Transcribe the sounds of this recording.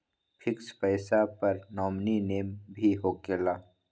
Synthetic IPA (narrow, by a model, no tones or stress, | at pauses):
pʰɪkspɛɪsapɐɾnɔːmnineːmbʱiɦoːkeːlaː